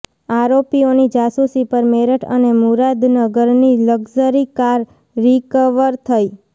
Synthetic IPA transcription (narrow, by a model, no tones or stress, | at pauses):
aɾopionid͡ʒasusipəɾmeɾəʈʰə̰nemuɾad̪nəɡəɾniləɡzəɾikaɾː | ikəʋəɾt̪ʰəi